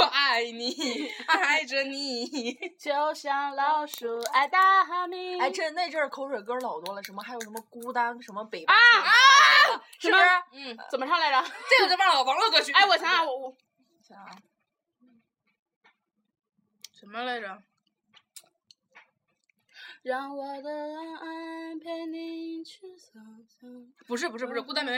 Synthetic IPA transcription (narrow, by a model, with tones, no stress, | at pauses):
a˥˩ɪni˨˩a˥˧a˥˩ɪʈ͡ʂə˧˩ni˧˨˩t͡ɕo˧˥ʊɕjɑ˧˥ŋlɑ˧˩ʊʂu˧˥a˧˩ɪt̪a˥˧xa˥˧mi˧a˥˩ɪʈ͡ʂə˥˧ne˥˧ɪʈ͡ʂə˥˩kʰo˧˥ʊʂwe˨˩ɪkə˥lɑ˨˩ʊt̪wɔ˥lə˨˩ʂə˧˥nmə˧xa˧˥jʂə˧˥mə˧ku˥t̪a˥nʂə˧˥nmə˧pe˨˩ɪpa˧a | ʂə˧˥ə˧˩˧n̩˥˩t͡sə˨˩nməʈ͡ʂʰɑ˥˧ŋla˥˩ɪə˨t͡sa˥˩jo˥˨˩ʈ͡ʂa˥˨˩ɔ˨˩wɑ˧˥ŋlwɔ˥˩t͡swɔ˥˧˩t͡ɕʰy˥˧e˥˩ɪwɔ˨˩ɕjɑ˧˥ŋa˥˩wɔ˧u˥˩˨ | jɑ˧˥ŋa˧˩˥ | ʂə˧˥nmə˧le˥˧˩ɪdə˨˩ | ɻɑ˧˩ŋwɔ˨˩d̪ə˧a˧ʔa˥˧pʰɛ˥ni˧˥t͡ɕʰy˧˩ɕɑ˨˩ŋɕɑ˧˩ŋpu˧˥ʂɻ̩˥˩pu˧˥ʂɻ̩˥˩u˧˥ʂɻ̩˥˩ku˥a˥np